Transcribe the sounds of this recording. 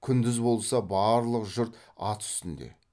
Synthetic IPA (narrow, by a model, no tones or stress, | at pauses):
kʲʰʏnd̪ɪzbo̞lˠsɑbɑɾlˠəqʒʊɾt̪ | ɑt̪ʰʏ̥st̪ɪnd̪ḛ